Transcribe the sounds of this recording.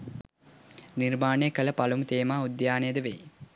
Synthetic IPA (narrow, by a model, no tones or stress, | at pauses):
nirmaːɳəjəkələpalumt̪eːmaːud̪jaːnejəd̪əʋḛj